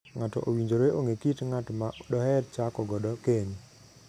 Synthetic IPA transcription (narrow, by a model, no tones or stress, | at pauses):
ŋatɔ̰ʔowiɲd͡ʒoɾoeʔoŋekitŋatɔmaɗɔɦɛɾt͡ʃakɔɡɔɗɔkeɲ